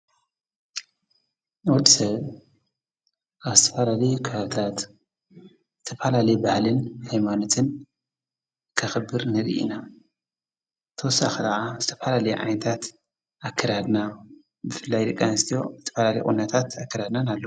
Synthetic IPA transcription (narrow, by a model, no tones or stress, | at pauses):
wɔd̪isɐβ | ʔaβzɨt̪ʰɐ̥falalɐjukʰβaβɨt̪ʰat̪ | zɨt̪ʰɐfalalɐjbahlɨnhajmano̞t̪ʰɨn | kʰɐxɨbːɨɾnɨɾḭʔḭna | t̪ʰɐwɔsːaxid̪aʕazɨt̪ʰɐ̥falalɐjṵʕa̰jnɐt̪ʰat̪ | ʔakʰːɐɾad̪na | bɨfɨlːajd̪ɨkʼːanɨst̪ʰijo̞̰zɨt̪ʰɐ̥fɐlalɐj̰ʔʼṵnːɐt̪ʰat̪akʰːɐɾad̪nanalːɐ